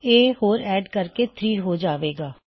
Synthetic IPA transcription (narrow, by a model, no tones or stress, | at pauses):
eːhoːɾɛːɖkəɾkeːt̪ʰɾiːɾɦoːd͡ʒaːʋeːɡaː